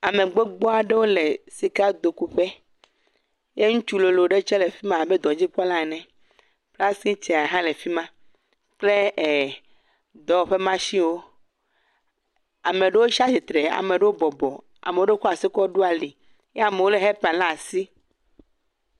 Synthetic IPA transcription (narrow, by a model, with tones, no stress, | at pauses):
a˨mẽ˨ɡ͡be˦ɡ͡bɔ˦a˨ɖe˦wo˦le˨si˨ka˦d̪o˨ku˨ɸe˦ | je˦ŋũ˦t͡ʃu˦lo˨lo˨ɖe˦t͡ʃɛ˦le˨fi˦mã˨a˨be˦d̪ɔ̃˨d͡ʑi˦k͡pɔ˦la˦e˨nɛ̃˨ | k͡pla˦sĩ˦t͡ʃɛ˨a˨ɦã˦le˨fi˦mã˦ | k͡ple˦e˨ | d̪ɔ˨o˨ɸe˦mã˦ʃi˦wo˦ | a˨mẽ˨ɖe˦wo˦ʃa˦si˨t̪ɾe˨a̰˨mẽ˨ɖe˦wo˦bɔ˨bɔ˨ | a̰˨me˨wo˦ɖe˦kɔ˦a˨si˦kɔ˦ɖu˦a˨li˨ | je˦a˨me˨wo˦le˨ɦe˦pã˨lã˦˨si˦